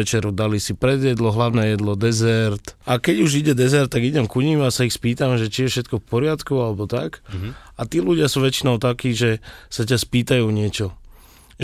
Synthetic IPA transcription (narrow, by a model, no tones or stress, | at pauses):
ɛt͡ʃɛɾɔd̪alisipɾɛd̪jɛd̪lɔɦlaʊnɛːjɛd̪lɔd̪ɛzɛɾt̪ʔakɛɟuʒiɟɛd̪ɛzɛɾt̪ːaɡiɟɛmkuɲiasaixspiːt̪amʒɛt͡ʃijɛfʃɛt̪kɔfpɔɾɪat̪kualɛbɔt̪a̰kat̪iːluɟɪasuːʋɛt͡ʃinɔʊt̪akiːʒɛsacaspiːt̪ajuːɲɪɛt͡ʃɔ